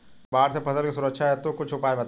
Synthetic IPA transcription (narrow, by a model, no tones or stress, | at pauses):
baːɾsepɐsəlkisʊɾəkʃʰaɦɛt̪okʊt͡ʃʰʊpaːebɐt̪